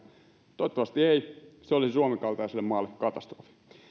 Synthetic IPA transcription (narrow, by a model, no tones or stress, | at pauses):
t̪oet̪ːɑʋɑst̪ieiseolissuɑmekɑlt̪ɑiselːemmɑːlːekkɑt̪ɑst̪rofi̥